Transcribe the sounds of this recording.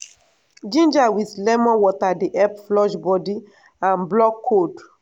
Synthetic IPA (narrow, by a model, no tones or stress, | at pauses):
d͡ʒĩnd͡ʒawiθlɛmɔ̃nwɔtadeʔɛpflɔʃbɔdi | ãnblɔkʰːod